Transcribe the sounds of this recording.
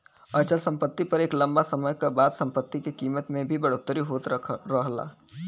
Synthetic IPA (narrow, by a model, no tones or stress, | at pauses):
ət͡ʃəlsə̃mpət̪ːipɐɾeːklə̃mbasəməjkabaːd̪sə̃mpət̪ːikekiːmət̪mẽbʱibəɽoːt̪ːəɾiɦoːt̪ɾəɦla̰ː